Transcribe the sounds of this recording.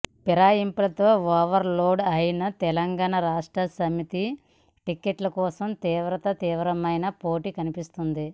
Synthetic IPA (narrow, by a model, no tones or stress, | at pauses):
piɾaːjimpilɐt̪o̞ːʋaːʋɐɾloːɖɐjinɐt̪ɛlɐŋɡaːɳɐɾaːʂʈɾɐsɐmit̪i | ʈikeʈlɐkɔːsɐmt̪iːʋɾɐt̪ɐt̪iːʋɾɐmɐjnɐpoːʈiːkɐnipist̪und̪i